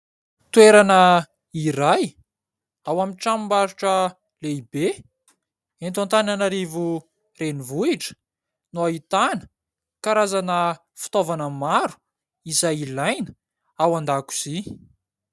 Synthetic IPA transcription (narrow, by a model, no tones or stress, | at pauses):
t̪ueɾanə | iɾaj | awamiʈ͡ʂamimbaɾuʈ͡ʂə | leibe | ent̪ãnt̪ananaɾivu | renivuiʈ͡ʂə̥ | nuait̪anə̥ | kaɾazanə | fu̥t̪ovanəmaɾu̥ | izajilajnə̥ | awand̪aku̥z̥i